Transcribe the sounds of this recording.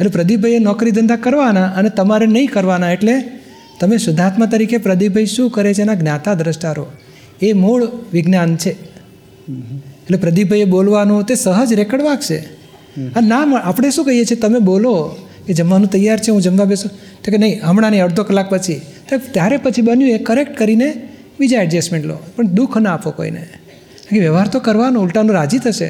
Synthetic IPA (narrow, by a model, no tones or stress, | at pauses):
eʈlepɾəd̪ibʱəjenɔkɾid̪ənd̪akəɾʋanaʔənet̪əmaɾenəĩkəɾʋanaeʈle | t̪əmeʃʊd̪ʱat̪mət̪̬əɾikʰepɾəd̪ibʱəiʃũkəɾet͡ʃʰenaɡnjat̪ad̪ɾəʃʈaɾo | emoɭʋɪɡnant͡ʃʰe | eːʈlepɾəd̪ibʱəjebolʋanũt̪esəɦəd͡ʒɾɛkəɽʋaɡt͡ʃʰḛ | ənaməapɽ̃eʃũkəijet͡ʃʰet̪əmebolo | ked͡ʒəmʋanũt̪əjaɾt͡ʃʰeɦũd͡ʒəmʋabesũ | ekenəĩɦəmɽanĩəɽd̪ʱokəlːak̚pət͡ʃʰit̪at̪jaɾepət͡ʃʰibənjũekəɾek̚ʈkəɾine | bid͡ʒaɛɖd͡ʒɛsmẽɳʈlo̰pəɳd̪ukʰnəapoko̰ḭnḛ | akiʋjəʋɦaɾt̪okəɾʋanõulʈanũɾad͡ʒit̪ʰəʃḛ